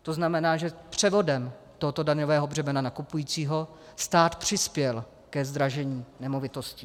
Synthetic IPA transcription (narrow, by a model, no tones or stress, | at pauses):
t̪o̞znamɛnaːʒɛpr̥ɛvo̞dɛmt̪oɦot̪o̞daɲovɛːɦo̞brɛmɛnanakupujiːt͡siːɦo̞ | st̪aːt̪pr̝̥ɪspjɛl | kɛzd̪ɾaʒɛɲiːnɛmo̞vɪt̪o̞sci